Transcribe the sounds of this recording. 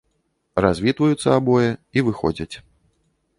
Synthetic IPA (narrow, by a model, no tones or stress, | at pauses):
razʲvʲit̪vɐjut̪sːɐabɔjɛivɨxɔ̰d͡zʲɐt͡sʲ